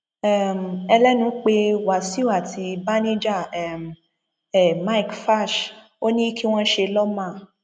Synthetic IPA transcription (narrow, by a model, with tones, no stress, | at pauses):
ɛ˦˨m˨ɛ˧lɛ˦nũ˨˦k͡pe˧wa˨si˦u˦˨a˦˨ti˧ba˦nĩ˦d͡ʒa˦˨ɛ˦˨m˨ | ɛ˦˨ma˦i˨kfa˦˨ʃ | o˦nĩ˦kʰi˦w̃ɔ̃˦ʃe˧lɔ˦mã˦˨